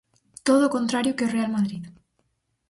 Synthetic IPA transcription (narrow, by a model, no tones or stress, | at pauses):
t̪oðoːkont̪ɾaɾjokeorealmaðɾið